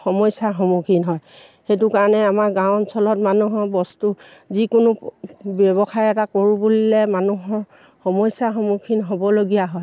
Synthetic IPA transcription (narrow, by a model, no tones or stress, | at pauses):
xɔmɔjsaxɔmukʰinɦɔj | xetʊkaɹnɛamaɹɡãwnsʰɔlɔt̚manuɦɔɹbɔstuzikʊnʊbɔbɔxʰaɹɛtakoɹubulilɛmanuɦɔɹ | xɔmɔjsaxɔmukʰinɦobɔloɡijaɦɔj